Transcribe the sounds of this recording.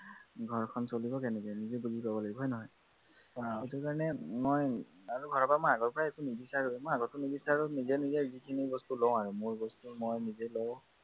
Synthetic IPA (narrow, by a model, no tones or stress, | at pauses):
ɡʱɔɹkʰɔnsolibɔkɛnɛkɔjnizebuzikɔbɔlaɡibɔɦɔjnɔɦɔj | aɔtuɹkaɹɔnɛmoj | aɹuɡʱɔɹɔpɔɹamojaɡɔɹpɔɹaekunibisaɹozɛmojaɡɔtːunibisaɹunizɛnizɛzikʰinibɔstulɔ̃w̃aɹumoɹbɔstumojnizelɔʊ̃